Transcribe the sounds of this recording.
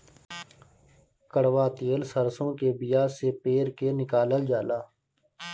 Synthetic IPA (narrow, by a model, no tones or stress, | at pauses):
kəɽʋaːt̪eːlsəɾsõkebɪjaːsepeːɾkenɪkaːləld͡ʒaːlaː